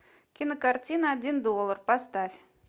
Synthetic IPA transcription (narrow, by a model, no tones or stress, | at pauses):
kʲɪnəkartʲinəadʲind̪olˠərpast̪afʲ